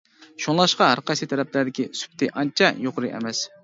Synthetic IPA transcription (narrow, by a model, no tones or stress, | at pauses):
ʃuŋlˠɑʃqɑɦæɾqɑsit̪ʰɛɾɛplæɾd̪ɪkʲisy̥p̚t̪ʰɪʔɑnt͡ʃʰɑjoqɾɨʔɛ̰mɛs